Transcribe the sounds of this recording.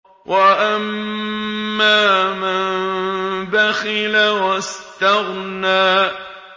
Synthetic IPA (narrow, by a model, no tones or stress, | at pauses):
wʔaʔamː | aːman | baxɪlawast̪aɣnaː